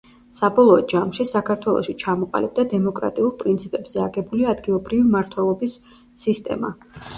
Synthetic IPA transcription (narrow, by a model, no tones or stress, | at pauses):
sabɔlˠɔːd͡ʒamʃisakʰaɾt̪ʰwɛlˠɔ̰ʃit͡ʃʰamɔqʼa̰lib̚d̪ad̪ɛmɔkʼɾa̰t̪ʼiulˠpʼɾint̪sʰipʼɛbz̥ɛaɡɛbuliaːd̪ɡilˠɔbɾivimaɾt̪ʰwɛlˠɔbisː | ist̪ʼɛ̰ma̰